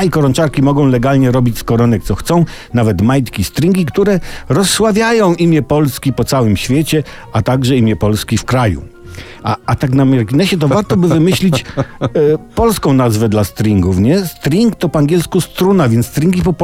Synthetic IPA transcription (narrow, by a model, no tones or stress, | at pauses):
ikɔɾɔnt͡ʂaɾkʲimɔɡɔ̃w̃lɛɡalɲɛɾɔbʲit͡ɕskɔɾɔnɛk̚t̪sɔxt̪sɔ̃w̃navɛt̪majt̪kʲist̪ɾʲiŋɡʲikt̪uɾɛɾɔsːwavʲjajɔ̃w̃ʔimʲjɛpɔlskʲipɔt̪sawɘmɕfʲjet͡ɕɛat̪aɡʐɛimʲjɛpɔlskʲifkɾajṵ | a̰at̪aknamʲjɛɾkʲinɛɕɛt̪̬ɔvaɾt̪ɔbɘvɘmɘɕlʲit͡ɕ | pɔlskɔ̃w̃nazvɛd̪last̪ɾʲiŋɡufɲɛst̪ɾʲiŋkt̪ɔpɔaŋɡʲɛlskust̪ɾunavʲjɛnt̪ːt̪ɾʲiŋɡʲipɔp